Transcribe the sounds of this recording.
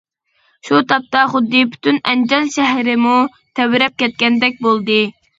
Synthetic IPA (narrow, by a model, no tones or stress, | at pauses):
ʃut̪ʰɑp̚t̪ɑχʊd̪ːɨpʰy̥t̪ynɛnd͡ʒɑnʃɛɦɾɪmu | t̪ʰɛwɪɾɛp̚kʲɛt̪̚kʲɛnd̪ɛk̚ʲbolˠd̪ɨ